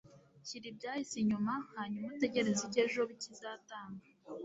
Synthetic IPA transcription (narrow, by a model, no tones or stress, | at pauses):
çiɾib̚ɟaːhisiɲumahaːɲumate̞ɟe̞ɾe̞ziɟeʒo̞βicizaːtaːŋɡa